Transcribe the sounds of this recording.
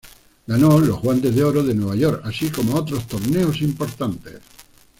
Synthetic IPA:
ɡano̞lo̞zɣwant̪e̞zðeo̞ɾoðe̞nwe̞β̞ajo̞ɾkasiko̞moot̪ɾo̞st̪o̞ɾne̞osimpo̞ɾt̪ant̪e̞̰s

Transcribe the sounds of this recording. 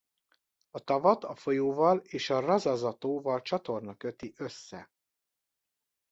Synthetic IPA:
ɒt̪ɒvɒt̪ɒfo̞joːvɒleːʃɒrɒzɒzɒt̪oːvɒlt͡ʃɒt̪o̞rnɒkø̞t̪iʔøsːɛ̰

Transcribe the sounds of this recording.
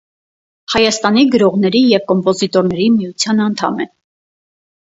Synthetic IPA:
hɑjɑst̪ɑniɡəɾɔʁnɛɾijɛvkɔmpɔzit̪ɔɾnɛɾimijut͡sʰjɑnɑnt̪ʰɑ̰mɛ

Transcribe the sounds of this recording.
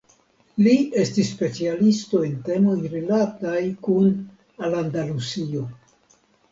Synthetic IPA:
lie̞stisːpe̞t͡sialisto̞e̞nte̞mo̞jɾilatajkun | alandalusio̞

